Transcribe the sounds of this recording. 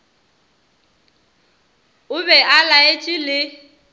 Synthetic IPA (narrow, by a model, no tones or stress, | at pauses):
ʊβɛʔalaet͡ʃʼilɪ